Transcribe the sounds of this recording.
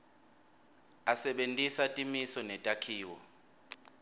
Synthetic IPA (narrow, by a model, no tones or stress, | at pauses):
asɛɓentʼisatʼimisɔnɛtʼakʰiːwɔ̰